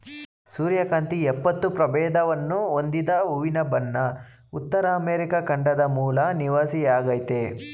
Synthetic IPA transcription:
suːɾjɐkɐnt̪iɛpːɐt̪ːupɾɐbɛːd̪ɐʋɐnːuond̪id̪ɐuʋinɐbɐnːɐ | ut̪ːɐɾɐːmeːɾikɐkɐɳɖɐd̪ɐmuːlɐniʋaːsijaːɡɐjt̪e

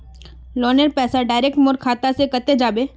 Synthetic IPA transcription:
lɔːnəɾpɛːsaɖaːɪɾek̚ʈmoɾkʰaːt̪asekət̪ed͡ʒaːbeː

